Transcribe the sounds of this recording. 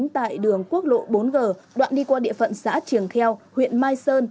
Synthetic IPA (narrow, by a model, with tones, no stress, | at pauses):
ŋt̪a̰ː˧˨jɗɨ˨˩əŋku˦˥ək̚lo̰˧˨ɓo˨˦nɣəː˨˩ɗwa̰ː˧˨nɗi˧kwaː˧ɗḭ˧˨əfə̰˧˨nsa̰ː˧˥t͡ɕɨ˨˩əŋxɛ˧whwḭ˧˨ənmaː˧jsəː˧n